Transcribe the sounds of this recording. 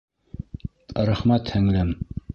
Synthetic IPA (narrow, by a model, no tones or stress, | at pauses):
ɾæχmæt̪hæ̆ŋlæm